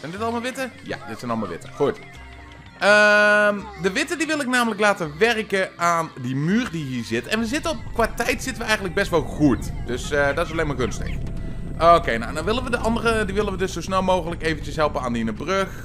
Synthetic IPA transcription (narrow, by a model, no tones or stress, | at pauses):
z̥ɛjndɪtɑlˠmaːlˠʋɪtəja̰dɪtsɛjnɑlˠma̰lˠʋɪ̰təχut | əmdəʋɪtədiʋɪlˠɪk̚naːmələklaːtəʋɛrkəaːndimyːrdiɦiːɹzɪtɛnʋəzɪtəɔkʋaːtɛjtsɪtənʋəɛjχəntləɡ̚bɛstʋɛlˠχutd̥øsdɑtɪs̬ɑlejmaːkønstə̰χʔokejna̰wnawʋɪlənʋədəʔɑndərədiʋɪlənʋədɵsowsnɛlˠmowχələkejvənt͡ʃəsɦɛlˠpəaːndinəbrøχ